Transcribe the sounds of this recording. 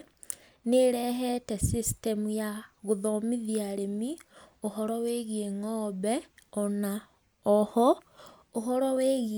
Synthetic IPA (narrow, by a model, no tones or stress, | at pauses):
neɾɛɦɛtɛsistemujaɣoðɔmiðiaɾemioɦɔɾɔweɣieŋɔβɛɔna | ɔhɔ | oɦɔɾɔweɣ